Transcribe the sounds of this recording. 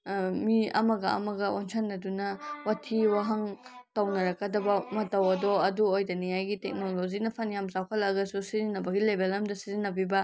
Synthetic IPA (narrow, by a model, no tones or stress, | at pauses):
miɐ̰mɐɡɐɐ̰mɐɡɐonsʰanːɐdunɐwatʰiwaɦɐŋtɐwnɐɾɐkɐdɐbɐmɐtɐwɐdɔɐduojdɐnijajɡitek̚nolozinɐpʰɐnjamzawkʰɐlɐɡɐsusizinːɐbɐɡilebelɐmdɐsizinːɐbibɐ